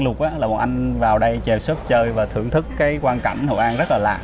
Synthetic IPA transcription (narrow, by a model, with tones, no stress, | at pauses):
lʊ˨˩k̚ʔaː˨˦laː˨˩ɓɔ̰˨˩ʔa˧jŋ̟vaː˨˩wɗə˧jt͡ɕɛ˨˩p̚sə˦˥t̚t͡ɕəː˧jvaː˨˩t̪ʰɨ̰˧˩əŋt̪ʰɨ˦˥kːaː˨˦jkwaː˧nka̰˧˩jŋhɔ̰˧˩wʔaː˧nzt̚laː˨˩la̰ː˧˨